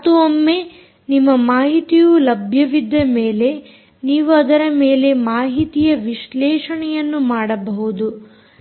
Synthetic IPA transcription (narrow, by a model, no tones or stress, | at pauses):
t̪uɐmːe̞ | nimːɐmaːɦit̪ijulɐbʱjɐʋid̪ːɐme̞ːle̞ | niːʋuɐd̪ɐɾɐme̞ːle̞maːɦit̪ijɐʋiʃlɛːʂɐɳɛjɐnːumaːɽɐbɐɦud̪u